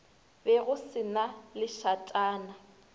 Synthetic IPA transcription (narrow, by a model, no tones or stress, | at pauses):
bɛɣʊsɪnalɪʃatʼaːna